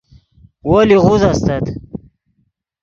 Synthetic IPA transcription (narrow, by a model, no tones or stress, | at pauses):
woliʁuzast̪ɐt̪